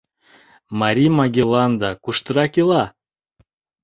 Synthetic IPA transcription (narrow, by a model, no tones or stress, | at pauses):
mɑɾʲimɑɡʲelˠɑnd̪ɑkuʃt̪əɾɑkilˠɑ